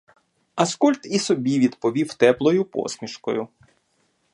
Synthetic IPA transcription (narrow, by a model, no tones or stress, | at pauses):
ɐskɔlʲt̪isɔbʲiʋʲid̪pɔʋʲiwt̪ɛplˠɔjʊpɔ̰smʲiʃkɔ̰jʊ